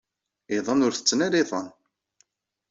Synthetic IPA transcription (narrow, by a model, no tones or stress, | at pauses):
ɪðˤɑnʊɾθə̥t͡sːnæɾiðˤɑn